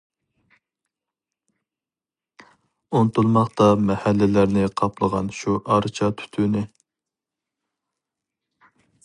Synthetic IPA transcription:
ont̪ulˠmɑχt̪ɑmɛhælːɪlæɾnɪqʰɑplˠəʁɑ̰nʃuʔɑɾt͡ʃʰɑt̪ʰy̥t̪ʰynɪ

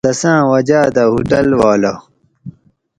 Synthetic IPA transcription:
d̪ɐsãːwɐd͡ʑaːd̪ɐɦuʈɐlwaːla

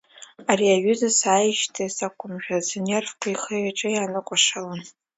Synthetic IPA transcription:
aɾiaɥʏzasaːjʃtʰasakʷʰʊmʒᶣaznervkʷʰajχeaʈ͡ʂʼɨjanɨkʷʼaʂalan

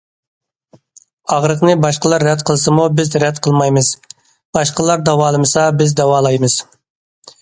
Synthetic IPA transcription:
ɑʁɾəqnɨbɑʃqəlˠɑɾːɛt̪̚qʰəlˠsɨmubɪzɾɛt̪qʰəlˠmɑjmɨz̥ | b̥ɑʃqəlˠɑɾd̪ɑwɑːlˠɨmɨsɑbɪzd̪ɑwɑːlˠɑjmɨz̥

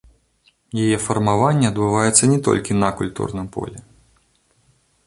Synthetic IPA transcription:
jajɛfɐrmavanʲːɛɐd̪bɨvajɛt̪sːɐnʲɛt̪ɔ̰lʲkʲinɐkulʲt̪ṵrnɨmpɔ̰lʲɛ

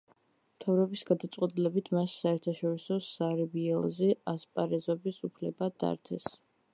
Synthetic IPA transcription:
mt̪ʰavɾɔbisɡad̪at̪sʼqʼwɛt̪ʼilɛbit̪ʰmasːaɛɾt̪ʰaʃɔɾisɔsaɾɛbiɛlˠzɛaspʼaɾɛzɔbisupʰlɛbad̪̥a̰ɾt̪ʰɛs

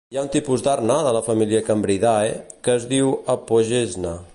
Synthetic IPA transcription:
jaunt̪ipuzd̪arnaðələfəmiliəkəmbɾiðaekəːzðiwəpoʒeznə

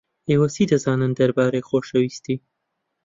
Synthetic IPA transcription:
eːwɐsiːd̪ɐzɑːnɨnd̪ɐɾbaːɾejxoːʃɐwist̪iː

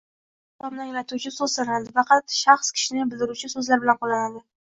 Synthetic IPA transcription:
amnaŋlat̪ʰut͡ʃʰɪsɵzsaɾanad̪ɪfɑqʰɑt̪ʃɑχskʲʰɪ̥ʃɪnɪbɪld̪ɪɾut͡ʃʰɪsɵzlaɾbɪlanqʰolˠanad̪ɪ

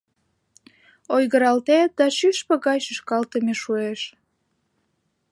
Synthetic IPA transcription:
ojɣəɾɑlt̪et̪̚d̪ɑʃyʃpəɣɑjʃəʃkɑlt̪əmeʃueʃ

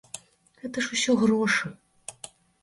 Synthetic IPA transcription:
ɣɛt̪ɐʂusʲɔɣɾɔʂɨ

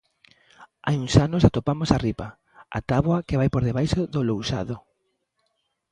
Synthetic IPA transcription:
ajuŋsanosat̪opamosaripa | a̰t̪aβwɐkeβajpoɾðeβajʃoðolowsaðo

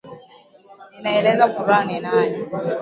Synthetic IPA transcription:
ninaɛlɛzakuɾanenaɲ

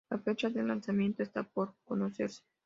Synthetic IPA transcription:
afet͡ʃad̪elansamint̪jest̪eaport̪konoses

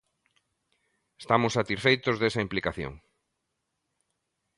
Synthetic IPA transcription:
est̪amʊsːat̪isfejt̪ozðesɐimplikaθjo̰ŋ

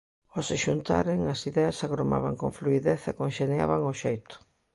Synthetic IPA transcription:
osɪʃunt̪a̰ɾeŋɐsiðeɐsaɣɾoma̰βaŋkoŋfluiðeθɐkoŋʃenja̰βaŋoʃejt̪ʊ̥

